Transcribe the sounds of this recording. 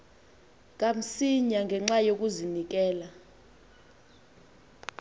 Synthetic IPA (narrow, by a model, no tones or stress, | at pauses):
ŋʼam̩siɲaŋɡʱɛŋ͡ǁajok̬uzinik̬ʼɛːla